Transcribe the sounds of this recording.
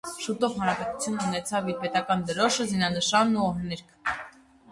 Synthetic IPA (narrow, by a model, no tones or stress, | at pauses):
ʃut̪ɔʁhɑnɾɑpɛt̪u̥t͡sʰjunːunɛt͡sʰɑviɾpɛt̪ɑkɑnd̪əɾɔʃəzinɑnəʃɑnːuɔɦnɛɾkʰ